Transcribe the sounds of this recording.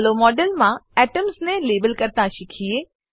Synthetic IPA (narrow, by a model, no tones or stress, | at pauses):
lomɔːɖəlmãɛːʈəmznẽleːbəlkəɾt̪ãʃɪkʰieː